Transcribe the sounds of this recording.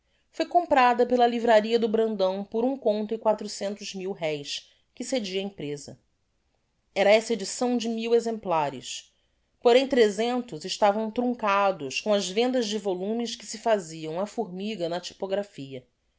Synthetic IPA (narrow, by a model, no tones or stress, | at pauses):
fojkõmpɾad̪ɐpelɐlivɾaɾiɐd̪ʊbɾɐ̃nd̪ɐ̃w̃pʊɾũkõnt̪ʊɪkwat̪ɾusẽnt̪ʊzmiwɦɛjs | kɪsed͡ʒiɐẽpɾezɐ̰ | ɛɾɐɛsɐed͡ʒisɐ̃w̃d͡ʒɪmiwezẽmplaɾɪ̰s | poɾẽj̃t̪ɾezẽnt̪ʊzɪʃt̪avɐ̃w̃t̪ɾũŋkad̪ʊskõɐzvẽnd̪ɐzd͡ʒɪvolũmɪʃkɪ̥sɪfaziɐ̃w̃ɐfuɾmiɡɐnɐt͡ʃi̥poɡɾafiɐ